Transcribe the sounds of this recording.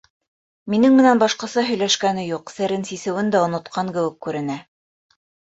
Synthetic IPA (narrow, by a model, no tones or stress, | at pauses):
minɘŋmɘ̆nænbɑʃqɑ̆sɑɦɵ̆jlæʃkænɘjuqsɘ̆ɾɘnsisɘ̆wɘnd̪æŏnŏt̪qʰɑŋkɘ̆wɘkːʉɾɘ̆næ